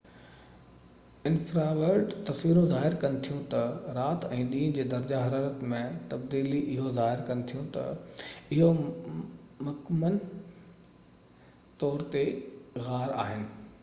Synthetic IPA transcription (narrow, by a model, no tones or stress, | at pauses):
ɪnfɾaʋəɾɖt̪ɐsʋiːɾõzaːɦɪɾkɐnɪ̆t̪ʰijũt̪ɐɾaːt̪ɛ̃ːɗĩːñd͡ʑeːd̪ɐɾd͡ʑaɦɐɾaːɾət̪mẽt̪ɐbd̪iːliʔɪɦozaːɦɪɾkɐnɪt̪ʰijũt̪ɐ̰ɪɦo | mʊkmən | t̪ɔːɾt̪eɣaːɾa̰ːɦɪnɪ̆